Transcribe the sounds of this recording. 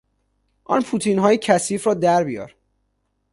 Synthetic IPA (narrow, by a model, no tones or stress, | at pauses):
ʔɒ̰ːnpʰuːt̪ʰiːnɦɒːjecʰæsiːfɾɒːd̪æɾbijɒ̰ːɾ